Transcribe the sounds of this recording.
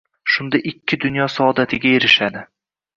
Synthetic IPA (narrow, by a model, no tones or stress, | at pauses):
ʃʊnd̪aʔɪkʲʰːɪd̪ʊnjɒsɒɒd̪at̪ʰɪɡʲajeɾɪʃad̪ɪ